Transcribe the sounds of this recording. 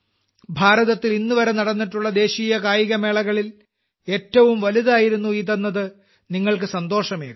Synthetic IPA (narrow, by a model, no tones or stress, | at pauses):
bʱaːɾɐðɐt̪ːilinːɨʋɐɾe̞nɐɽɐnːiʈːuɭːɐd̪e̞ːɕiːjɐkaːjiɣɐme̞ːɭɐɣɐɭil | e̞ːtːɐʋumʋɐliðaːjiɾunːuiːt̪ɐnːɐðɨ | niŋːɐɭk̬ɨsɐnd̪o̞ːʂɐmeː